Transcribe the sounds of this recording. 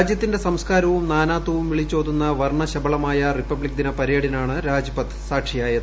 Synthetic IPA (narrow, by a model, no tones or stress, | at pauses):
d͡ʑjɐt̪ːinde̞sɐmskaːɾɐʋumnaːnaːt̪ːɐʋumʋiɭit͡ɕːoːd̪unːɐʋɐrɳɐɕɐbɐɭɐmaːjɐripːɐbɭikd̪inɐpɐɾjeːɽinaːɳɨɾaːd͡ʑɐpɐt̪ʰːɨ̥saːkʂijaːjɐðɨ